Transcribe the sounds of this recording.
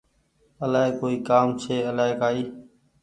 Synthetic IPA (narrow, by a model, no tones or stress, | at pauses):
əlaːɦeːkoːiːkaːmt͡ʃʰeːəlaːɦekaːiː